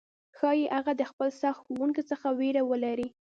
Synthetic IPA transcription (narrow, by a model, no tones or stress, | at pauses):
xɑjeʔaɣad̪əxpəlsaxt̪xowuŋkit͡səxaweɾawəlaɾi